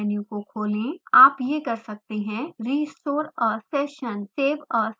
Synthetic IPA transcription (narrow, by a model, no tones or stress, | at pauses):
njukokʰoːlẽaːpjekɐɾsɐk̚t̪eɦɛ̃ɾiːsoːɾɔːseːʃənseːbɔː